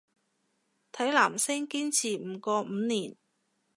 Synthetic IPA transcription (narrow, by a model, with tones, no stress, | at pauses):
t̪ʰɐ˨˥jlaː˨˩msɪ˥ŋkiː˥nt͡sʰiː˨˩m̩˨˧kɔː˧m̩˨˧niː˨˩n